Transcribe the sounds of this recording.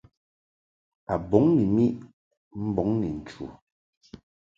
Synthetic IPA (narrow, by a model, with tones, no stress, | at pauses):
a˨bɔ˨˦ŋni˨mi˦ʔ | m̩˦bɔ˨˦ŋni˨n̩˨t͡ʃu˨